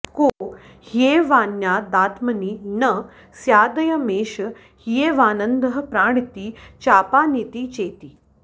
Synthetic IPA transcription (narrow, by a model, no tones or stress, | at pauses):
ko | hjeʋanjad̪at̪məniːnə | sjaːd̪əjəmeʃə | hjeʋaːnənd̪əɦpɾaɽ̃it̪iːt͡ɕapanit̪iːt͡ʃet̪iː